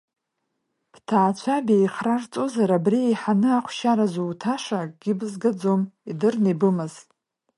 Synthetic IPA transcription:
b̥tʰaːt͡ɕʷʰabejχrart͡sʼozaɾabriejħanɨaχʷʰʃaɾazuːtʰaʂaɡ̥ʲɪbzɡad͡zomidɨrnebɨmɨz̥ʼ

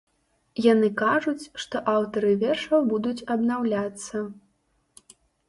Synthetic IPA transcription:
janɨkaʐut͡sʲʂt̪ɔʔawt̪ɐɾɨvʲɛrʂɐwbud̪ut͡sʲɐbnawlʲat̪sːɐ

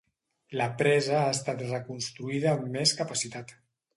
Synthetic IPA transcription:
ləpɾɛzəaəst̪at̪rəkunst̪ɾuiðəːmːeskəpasit̪at̪

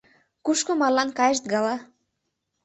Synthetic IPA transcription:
kuʃkomɑrlɑnkɑjə̆ʃd̪ɡɑlɑ

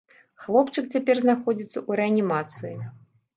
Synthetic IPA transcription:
xlˠɔpt͡ʂɨk̚t͡sʲapʲɛrznaxɔd͡zʲit̪sːɐʔuɾɛɐnʲimat̪sɨji

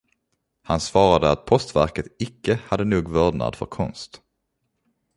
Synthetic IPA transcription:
hansvɑːɾad̪əat̪̚pʰɔst̪væ̰ɾkət̪ɪkːəhad̪ːənuːɡvœːdna̰d̪fœ̰ɾkʰɔnst̪

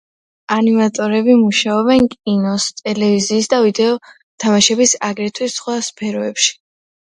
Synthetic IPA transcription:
animat̪ʼɔɾɛbimuʃaɔbɛnkʼinɔst̪ʼɛlɛviziːsd̪avid̪ɛɔ | t̪ʰamaʃɛbisaɡɾɛt̪ʰwisχwaspʰɛɾɔɛpʃi̥

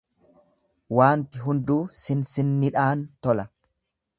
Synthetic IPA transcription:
waːnt̪ɪɦʊnd̪uːsɪnsɪnːɪᶑaːnt̪ɔlɐ

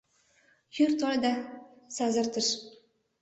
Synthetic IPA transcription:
jʊɾt̪ʰɒld̪asazɨɾt̪ʰɪʃ

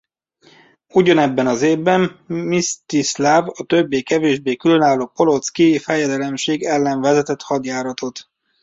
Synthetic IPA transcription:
uɟɒnɛbːɛnɒzeːvbɛmːist̪islaːvɒt̪øbːeːkɛveːʒbeːkylø̞naːlːoːpo̞lo̞t̪skifɛjɛd̪ɛlɛmʃeːɡɛlːɛɱvɛzɛt̪ɛt̪hɒd̪jaːɾɒt̪o̞t̪

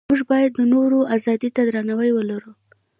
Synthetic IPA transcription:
muʒbɑjad̪ːənoɾoʔazɑd̪it̪ad̪ɾanawəjwəlaɾu

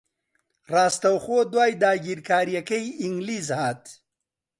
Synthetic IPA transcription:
ɾaːst̪ɐwxoːd̪waːjd̪aːɡiɾkaːɾjɐkɐjɪŋɡlizhaːt̪

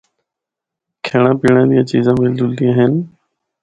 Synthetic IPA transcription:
kʰeːɽãːpiːɳãːd̪ijãːt͡ʃiːzãːmɪld̪ʊld̪ĩːãːɦɪn

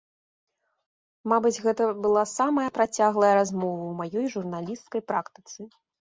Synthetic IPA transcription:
mabɨd͡zʲɣɛt̪ɐbɨlˠasamɐjɐpɾat͡sʲaɣlˠɐjɐɾazmɔvɐwmajɔjʐurnalʲist̪kɐjpɾakt̪ɨ̥t̪sɨ

